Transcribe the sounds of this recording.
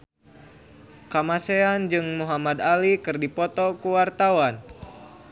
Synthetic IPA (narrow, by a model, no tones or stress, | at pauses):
kamaseand͡ʒɨŋmuɦamad̪alikɨrdipɔt̪ɔkuwart̪awan